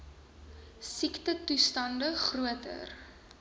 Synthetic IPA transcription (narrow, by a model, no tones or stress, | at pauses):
siktətustɐndəχruətə̰r